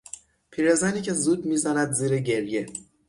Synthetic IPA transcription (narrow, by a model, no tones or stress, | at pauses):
pʰiːɾezæniːcʰe̞zuːd̪̚miːzænæd̪ziːɾeɟe̞ɾje